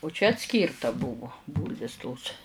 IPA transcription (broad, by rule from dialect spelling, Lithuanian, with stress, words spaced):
ʊ t͡ʃʲɛ ɐtʲˈsʲkʲiːrtɐ ˈbʊʋʊ ˈbuːlʲʋʲɪs toːs